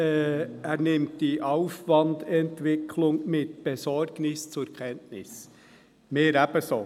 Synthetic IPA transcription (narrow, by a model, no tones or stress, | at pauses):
æːɾnɪmtd̥iːʔɑʊfʋɑndɛntʋɪkʰlʊŋmɪt̪̚b̥ɛsɔɾɡ̥nɪst͡sʊɾkʰɛntnɪs | meːɾæb̥əso